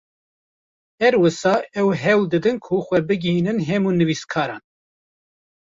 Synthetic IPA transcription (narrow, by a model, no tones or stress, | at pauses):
hɛɾwɨsɑːʔɛwɦɛwld̪ɨd̪ɨnkʰuxʷɛbɨɡiinɨnɦɛmuːnɨviːskʰɑːɾɑ̰ːn